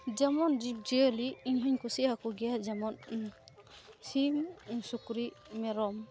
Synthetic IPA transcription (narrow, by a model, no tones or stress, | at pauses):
d͡ʒamɔnd͡ʒib̚d͡ʒiɔliːɲɦɔɲkusiakuɡijad͡ʒamɔn | simsukɾimɛɾɔm